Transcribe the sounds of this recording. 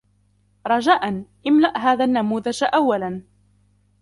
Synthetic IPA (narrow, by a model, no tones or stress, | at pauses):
ɾˤɑd͡ʒaːʔanʔɪmlaʔɦaːðaːnːamuːðad͡ʒʔawːalan